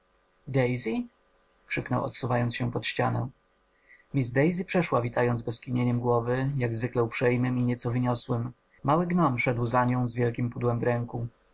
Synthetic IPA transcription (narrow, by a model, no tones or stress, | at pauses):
d̪ɛjzʲi | kʂɘknɔ̰wɔ̰t̪suvajɔntsɕɛpɔt̪ɕt͡ɕanɛ̰̃ | mʲizd̪ɛjzʲipʂɛʂwavʲit̪ajɔnzɡɔskʲiɲeɲɛmɡwɔvɘjaɡzvɘklɛupʂɛjmɘmiɲɛt̪sɔvɘɲɔswɘmː | awɘɡnɔmʂɛd̪wzaɲɔ̃w̃zvʲjɛlkʲimpud̪wɛmvɾɛŋku